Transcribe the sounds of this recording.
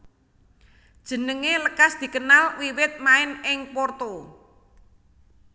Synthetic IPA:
d̥ʒ̥ə̤nəŋeləkasd̪̥i̤kənalwiwɪt̪̚maɪnɪŋpɔrt̪o

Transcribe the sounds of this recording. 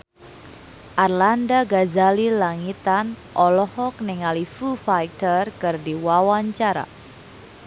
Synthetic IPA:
ʔarlandaɡazalilaŋit̪anʔɔlɔhɔk̚nɛŋalifufajt̪ərkɨrdiwawaɲt͡ʃaɾa̰

